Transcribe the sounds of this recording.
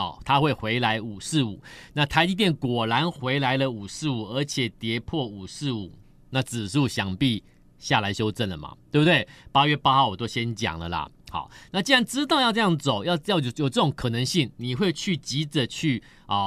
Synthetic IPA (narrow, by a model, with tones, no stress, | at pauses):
t̪ʰa˦xwe˥˩ɪxwe˧˥ɪla˧˦ɪu˨˩sɹ̩˥˩ṵ˨˩˦na˥˨t̪ʰa˧˥ɪi˧˥t̪̬jɛ˥˩nkwɔ˨˩la˨˦nxwe˧˥ɪla˧˥ɪlə˧u˨˩sɹ̩˥˩u˨˩ə˞˧˥t͡ɕʰjɛ˨˩t̪jɛ˧˦pʰwɔ˥˩u˨˩sɹ̩˥˩u˨˩˦ | na˥˨˩t͡sɹ̩˨˩ʂ̩u˥u˨˩ɕjɑ˨˩ŋpi˥˧ | ɕja˥˨˩la˧˦ɪɕjo˥ʊt͡sə˥˩nlə˩ma̰˨˩t̪we˥˩bu˨˩t̪we˥˩ɪpa˥ɥɛ˥˩pa˥xɑ˥˩ʊwɔ˨˩t̪o˥ʊɕjɛ˦˥nt͡ɕjɑ̰˨˩ŋlə̰˨lɐ̰˦xaɑ̰˨˩˦ʊna˥˩t͡ɕi˥nɻa˧˦nʈ͡ʂɻ̩˥t̪ɑ˥˧ʊjɑ˥˧ʊʈ͡ʂɤ˥˧jɑ˥˩ŋt͡so˨˩˦ʊjɑ˥˧ʊjɑ˥˩ʊ˨jo˨˩ʈ͡ʂɤ˥˩ʈ͡ʂo˨˦ŋkʰɤ˨˩nə˧˦ŋɕi˥˩ŋni˨˩xwe˥˧ɪt͡ɕʰy˥˩t͡ɕi˧˥t͡sə˨˩t͡ɕʰy˥˩ | ɔ˥˩